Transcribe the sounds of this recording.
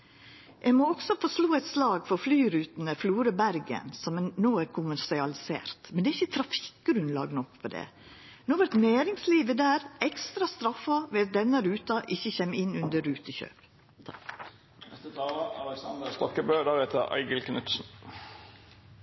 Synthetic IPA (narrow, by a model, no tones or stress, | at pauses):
ʔɛmoːɔɡsɔfɔʂloːɛɪt̪slɑːɡfɔɾflyːɾʉːt̪nəfluːɾəbæɾɡə̰nsɔmnoːæɾkʰʊmæɾsɪɑlɪsḛːɾt̪mɛnd̪ɛːɾɪçːət̪ʰɾɑfɪ̥k̚ɡɾʉnlɑ̰ːɡnɔkfɔd̪ɛ̰ːnoːʋæɾt̪næːɾɪŋsliːʋəd̪æːɾɛkst̪ɾɑst̪ɾɑfːɑʋɛɑt̪̚d̪ɛnːəɾʉːt̪ɑʔɪçːəçeːmɪnʉnd̪əɾʉːt̪əçø̰ːp | nɛst̪ət̪ʰɑːləɑ̰lɛksɑnd̪əst̪ɔkːəbøːd̪ɑːʁheːt̪əɾʔæ̰ɪɡəlkʰnʉt̪sn̩